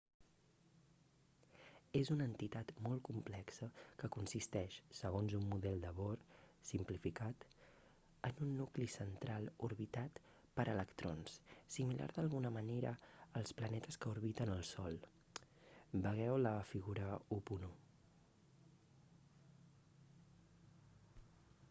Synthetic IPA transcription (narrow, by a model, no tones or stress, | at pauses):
ezunəːnt̪it̪at̪mɔlˠkumplɛksəkəkunsist̪ɛʃsəɣ̞onzumːuðɛlˠd̪əβoɾsimplifikat̪ | ənunːuklisənt̪ɾalˠuɾβit̪at̪ | pəɾʔələkt̪ɾo̰nssimila̰ɾðəlˠɣunəməneɾə̰ːlˠsplənɛt̪əskəuɾβit̪ənəlˠsɔlˠ | bəɣ̞ɛwləfiɣuɾəupunu